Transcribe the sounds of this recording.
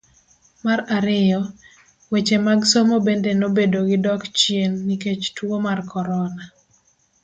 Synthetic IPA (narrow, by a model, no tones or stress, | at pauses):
maɾaɾɪjɔ | wet͡ʃemaɡsomobendenobedoɡɪdɔkt͡ʃjenːiket͡ʃtwomarkɔɾɔna